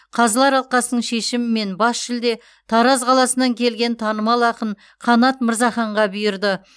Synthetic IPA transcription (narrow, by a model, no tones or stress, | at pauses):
qʰɑzəlˠɑɾɑlˠqɑsənəɴʃe̞ʃɪmɪme̞nbɑsʃɪld̪e̞ | t̪ʰɑɾɑzqʰɑlˠɑsənɑŋkʲʰe̞lɡʲe̞nt̪ʰɑnəmɑlˠɑqəɴ | qʰɑnɑt̪məɾzɑχɑɴʁɑbʏjɪɾd̪ɪ